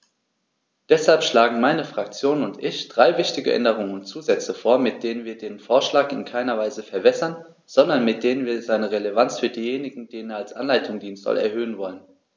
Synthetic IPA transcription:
d̥ɛshalpʃlaːɡŋ̩maɪnəfʁ̥ak̚t͡sjoːnʊntʔɪçd̥ʁaɪvɪçtɪɡəʔɛ̰ndəʁ̞ʊŋənʊntt͡suːzɛt͡səfoːɐmɪt̚d̥eːnənviːɐdeːənfoːɐʃlaːkɪ̰nkʰaɪnɐvaɪzəfɛɐbɛsɐn | z̥ɔndɐnmɪt̚d̥eːnənviːɐzaɪnəʁelevant͡sfyːɐdiːjeːnɪɡŋ̩d̥eːnənɐalsʔa̰nlaɪtʰʊŋdiːnstv̥a̰lɛ̰ɐhøːənvɔlən

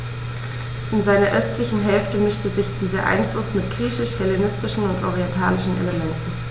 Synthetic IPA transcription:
ʔɪnzaɪnɐʔœstʰlɪçn̩ɦɛlftəmɪʃtəzɪçd̥iːzɐʔa̰ɪnflʊsmɪtɡ̥ʁiːçɪʃhɛlenɪstɪʃn̩ʊntʔo̰ʁiɛntʰaːlɪʃn̩ʔḛləmɛntn̩

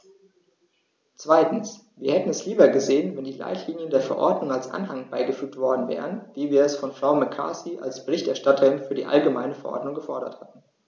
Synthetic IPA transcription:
t͡sv̥aɪtn̩s | viːɐhɛtn̩ɛsliːbɐɡəzeːənvɛndiːla̰ɪtʰliːnjəndeːɐfɛɐʔɔ̰ɐdnʊŋalsʔa̰nɦaŋb̥aɪɡəfyːk̚tv̥ɔɐdn̩vɛ̰ːʁ̞ənv̥iːviːɐɛsfɔnfʁ̥aʊmakʰa̰ːsiʔa̰lsb̥əʁɪçtɛɐʃtatʰɐʁɪnfyːɐdiːʔa̰lɡəma̰ɪnəfɛɐʔɔ̰ɐdnʊŋɡəfɔɐɾɐ̰thatn̩

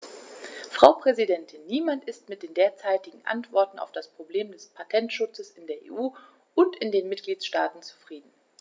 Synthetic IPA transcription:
fʁ̥aʊpʁ̥ɛzidɛntʰɪnːiːmantɪstmɪt̚d̥eːndeːɐt͡saɪtɪɡŋ̩ʔa̰ntv̥ɔɐtn̩a̰ʊfd̥aspʁ̥obleːmdɛspʰatʰɛntʃʊt͡səsɪndeːɐʔḛːʔuː | ʔʊntɪndeːnmɪt̚ɡ̥liːtʃtaːtn̩t͡su̥fʁ̥iːdn̩

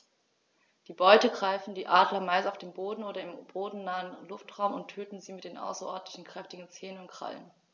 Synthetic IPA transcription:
d̥iːbɔʏtəɡʁaɪfn̩diːʔaːdlɐmaɪsaʊfd̥eːmboːdn̩oːɾɐɪmb̥oːdn̩naːənlʊftʁ̥aʊmʊntʰøːtn̩ziːmɪtd̥eːnʔa̰ʊsɐʔɔɐdn̩tlɪçn̩kʁ̥ɛftɪɡŋ̩t͡seːnənʊntkʁ̥a̰lə̰n

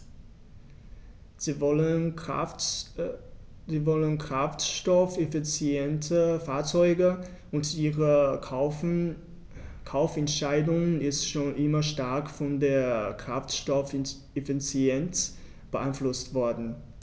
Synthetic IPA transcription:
ziːvɔlənkʁ̥aftʃtɔfefit͡sjɛntʰəfaːɐt͡sɔʏɡə | ʊntʔiːʁə | kʰaʊfɛntʃaɪdʊŋnɪstʃoːnʔɪmɐʃtaɐkfɔndeːɐkʁ̥aftʃtɔf | ʔefit͡sjɛnt | b̥əʔaɪnflʊstv̥ɔɐdn̩

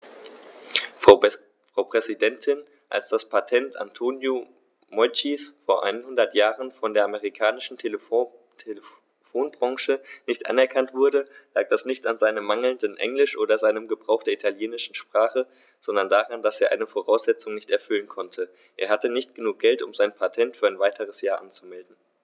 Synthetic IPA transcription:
fʁ̥aʊpʁ̥ɛzidɛntʰɪn | ʔa̰lsd̥aspʰatʰɛnta̰ntʰoːnjo | mɔʏt͡ʃisfoːɐʔa̰ɪnənhʊndɐtjaːʁənfɔndeːɐʔaməʁikʰaːnɪʃn̩ʰ | tʰelə | foːnbʁɑ̃ŋʃənɪçtʔa̰nɛɐkʰantv̥ʊɐdəlaːk̚d̥asnɪçtanzaɪnəmaŋl̩ndənʔɛ̰ŋlɪʃʔoːdɐzaɪnəmɡəbʁaʊxd̥eːɐʔitʰaljeːnɪʃn̩ʃpʁ̥aːχə | z̥ɔndɐndaʁandaseːɐʔa̰ɪnəfoʁ̞aʊsz̥ɛt͡sʊŋnɪçtɛɐfʏlənkʰɔntʰə | ʔeːɐɦhatənɪçt̚ɡ̥ənuːk̚ɡ̥ɛltʊ̰mzaɪnpʰatʰɛntfyːɐaɪnvaɪtʰəʁ̞əsjaːɐʔant͡sumɛldn̩

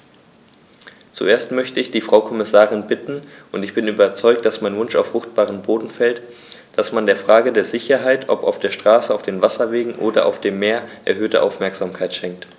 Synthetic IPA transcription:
t͡sṵʔeːɐstmœçtəɪçd̥iːfʁ̥aʊkʰɔmɪsaːʁɪnbɪtn̩ʔʊntɪçb̥ɪnyːbɐt͡sɔʏk̚t̚d̥asmaɪnvʊnʃa̰ʊfʁ̥ʊxt̚b̥aːʁənboːdn̩fɛlt | d̥asmandeːɐfʁ̥aːɡədeːɐzɪçɐɦaɪtʰʔɔpa̰ʊfd̥eːɐʃtʁ̥aːsəaʊfd̥eːnvasɐveːɡŋ̩ʔoːdɐʔa̰ʊfd̥eːmːeːɐʔɛ̰ɐɦøːtəʔa̰ʊfmɛɐkz̥aːmkʰaɪtʃɛŋk̚t

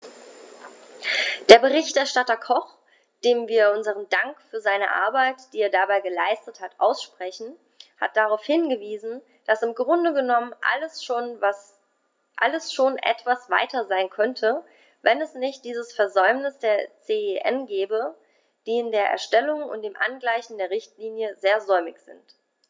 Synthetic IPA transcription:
d̥eːɐbəʁ̞ɪçtɛɐʃtatɐkʰɔχ | d̥eːmviːɐʊnzəʁəndaŋkfyːɐzaɪnəʔa̰ɐbaɪtd̥iːeːɐdabaɪɡəlaɪstəthatʔaʊsʃpʁ̥ɛçn̩ | ha̰t̚d̥aʁaʊfhɪnɡəviːzn̩ | d̥asɪmɡʁʊndəɡənɔmənʔa̰ləsʃoːnvas | ʔa̰ləsʃoːnʔɛ̰tv̥asv̥a̰ɪtɐzaɪnkʰœntʰə | vɛnɛsnɪçt̚d̥iːzəsfɛɐzɔʏmnɪsd̥eːɐt͡seːeʔɛ̰nɡɛːbə | d̥iːɪndeːɐʔɛ̰ɐʃtɛlʊŋʊ̰nt̚d̥eːmʔanɡlaɪçn̩deːɐʁɪçtliːnjəzeːɐzɔʏmɪçz̥ɪ̰nt

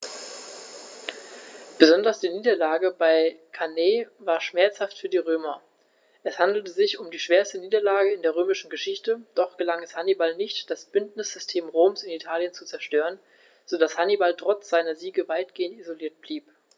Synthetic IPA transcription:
b̥əzɔndɐsd̥iːniːdɐlaːɡəbaɪkʰaneːvaːɐʃmɛɐt͡shaftfyːɐdiːʁ̞øːmɐ | ʔɛshandl̩təzɪçʊmdiːʃv̥eːɐstəniːdɐlaːɡəɪndeːʁøːmɪʃn̩ɡəʃɪçtəd̥ɔχɡ̥əlaŋɛshanibalnɪçtd̥asb̥ʏntnɪsz̥ʏstʰeːmʁoːmsɪnitʰaːljənt͡sut͡sɛɐʃtøːʁ̞ən | z̥odashanibaltʁ̥ɔt͡sz̥aɪnɐziːɡəvaɪt̚ɡ̥eːəntizoliːɐt̚b̥liːp

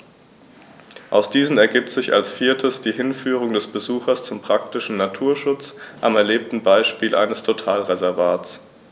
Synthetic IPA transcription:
ʔaʊsd̥iːzn̩ɛɐɡiːp̚tz̥ɪça̰lsfiːɐtʰəsd̥iːɦɪnfyːʁ̞ʊŋdɛsb̥əzuːxɐst͡sʊmpʁ̥ak̚tɪʃn̩natʰuːɐʃʊt͡sʔamɛɐleːp̚tn̩baɪʃpiːlʔa̰ɪnəstʰotʰaːlʁezɛɐvaːtt͡s

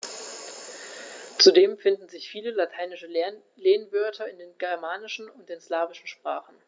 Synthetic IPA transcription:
t͡sudeːmfɪndn̩zɪçfiːləlatʰaɪnɪʃə | leːnvœɐtʰɐɪndeːnɡɛɐmaːnɪʃn̩ʊntd̥eːnslaːvɪʃn̩ʃpʁ̥aːχn̩

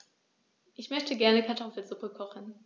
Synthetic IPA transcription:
ʔɪçmœçtʰəɡɛɐnəkʰaɐtʰɔfl̩zʊpəkʰɔχn̩

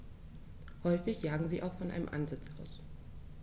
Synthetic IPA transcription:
hɔʏfɪçjaːɡŋ̩ziːʔa̰ʊxfɔnʔa̰ɪnəmʔa̰nzɪt͡sʔaʊs

